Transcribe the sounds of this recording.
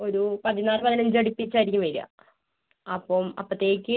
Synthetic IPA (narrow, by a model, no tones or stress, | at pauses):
o̞ɾupɐðinaːrɨpɐðinɐɲd͡ʑɐɽipːit͡ɕːaːjiɾikʲːumʋɐɾija̰ | ɐpːomɐ̰pːɐt̪ːeːjkʲːɨ